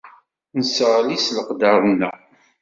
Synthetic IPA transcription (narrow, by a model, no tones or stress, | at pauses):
nsəʁlisləqd̪ɑɾˤnːæ̰